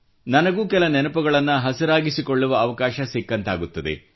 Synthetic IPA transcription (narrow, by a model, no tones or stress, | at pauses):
nɐnɐɡuːkɛlɐnɛnɐpɐɡɐɭɐnːuɦɐsiɾaːɡisikoɭːuʋɐːʋɐkaːʃɐsikːɐnt̪aːɡut̪ːɐd̪ḛ